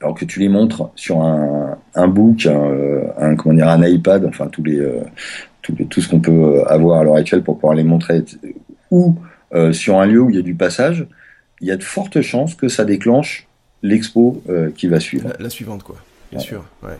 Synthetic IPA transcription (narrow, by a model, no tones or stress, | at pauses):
alɔʁkət̪ʰylemɔ̃t̪χsyʁɛ̃ɛ̃bukʲɛ̃øɛ̃kɔmɑ̃d̪iʁɛ̃najpad̪ɑ̃fɛ̃t̪uleø̰t̪ʰut̪ʰusə̥kɔ̃pøøa̰vwaʁalœʁak̚t̪ɥɛlpuʁpuvwaʁlemɔ̃t̪χe | u | øsyʁɛ̃ljøuljad̪ypasaʒ | iljad̪əfɔʁt̪əʃɑ̃skəsad̪eklɑ̃ʃ | lɛkspoøkʲivasɥivʁasɥivɑ̃t̪̚kwa | wɛ̰ʁwɛ̰